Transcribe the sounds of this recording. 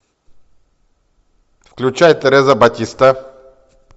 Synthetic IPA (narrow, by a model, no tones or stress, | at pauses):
fklʲut͡ɕajt̪ːɛɾɛzɐbɐtʲist̪a